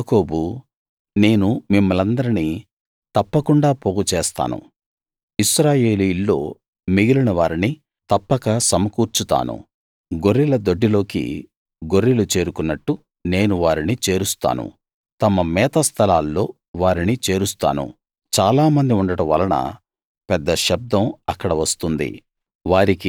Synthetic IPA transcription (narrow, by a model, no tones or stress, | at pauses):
koːbu | ne̞ːnumimːɐlɐnd̪ɐɾini | t̪ɐpːɐkuɳɖaːpoːɡut͡ʃɛːst̪a̰ːnṵ | iʃɾaːjeːlilːo̞ː | miɡilunɐʋaːɾini | t̪ɐpːɐkɐsɐmɐkuːɾt͡ʃut̪a̰ːnṵ | ɡoɾːilɐd̪oɖːilo̞ːkḭ | ɡoɾːilut͡ʃe̞ːɾukunːɐʈːu | ne̞ːnuʋaːɾinit͡ʃe̞ːɾust̪a̰ːnṵ | t̪ɐmɐmɛːt̪ɐst̪ʰɐlaːlːo̞ː | ʋaːɾinit͡ʃe̞ːɾust̪a̰ːnṵ | t͡ʃaːlaːmɐnd̪iuɳɖɐʈɐʋɐ̰lɐɳɐ̰ | pɛd̪ːɐʃɐb̚d̪ɐmɐkːɐɽɐʋɐst̪und̪ḭ | ʋaːɾiki